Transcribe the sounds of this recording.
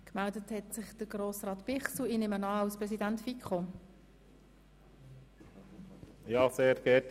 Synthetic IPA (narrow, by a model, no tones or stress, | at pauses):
kmældəthɛtsɪχd̥əɡɾoːsrɑːt̪pɪχsluinɪmənɑːɑlspɾɛsidæntfikχo | jɑːseːɾɡ̥ɛt